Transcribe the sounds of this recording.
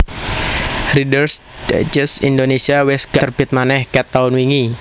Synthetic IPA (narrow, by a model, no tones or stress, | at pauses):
ridərsd̥a̰d͡ʒəsḭndonesiawɛsɡ̥aərb̥ɪt̪̚manɛhkɛt̪ːaʊnwiŋi